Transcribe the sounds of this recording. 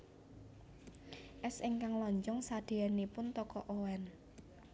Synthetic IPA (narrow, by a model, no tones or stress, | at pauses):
ʔɛsiŋkaŋlɔɲt͡ʃɔŋsad̪̥e̤ɛnepʊnt̪ɔkɔʔowɛn